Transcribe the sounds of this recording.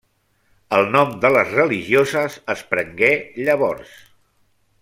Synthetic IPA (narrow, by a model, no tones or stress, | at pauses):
əlˠnɔmd̪ələzrəliʒiozəzəspɾəŋɡeʎəβɔɾs